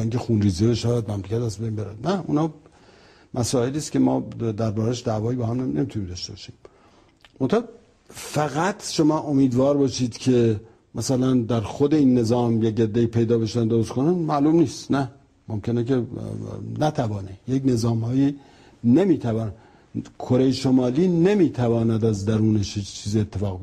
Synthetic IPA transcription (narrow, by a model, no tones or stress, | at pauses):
iŋcʰexunriːzebeʃææd̪̚mæmlecʰæt̪æzbejnbe̞ɾæ̰d̪næṵnhɒ | mʔæsɒːe̞liːskʲe̞mɒ̰ːd̪æɾbɒːɾæʃd̪ævɒːjibɒːhæmnenemiːt̪uniːmd̪ɒʃt̪e̞bɒʃiːm | mont̪ʰæhɑ | fæɣæt̪ʰʃo̞mɒːʔo̞miːd̪vɒːɾbɒːʃiːd̪̥cʰe̞ | mæsælænd̪æɾxod̪e̞iːnːe̞zɒːmjeked̪ːeiːpʰe̞jd̪ɒːbe̞ʃænd̪oɾʃkʰonænmæluːmniːst̪næ | momcʰʲe̞neke | næt̪ʰævɒːnejekne̞zɒːmhɒːji | ne̞miːt̪ʰævɒːn | kʰoɾejeʃomɒːliːne̞miːt̪ʰævɒːnæd̪æzd̪æɾuːneʃit͡ʃʰiːziet̪ʰːe̞fɒːɣb